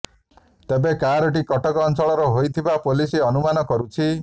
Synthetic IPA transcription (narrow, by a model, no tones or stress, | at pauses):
t̪ebekaɾoʈ̬ikɔʈɔkɔːnsɔɭɔɾɔɦojt̪ʰibapolisiɔnumanɔkɔɾut͡ʃʰi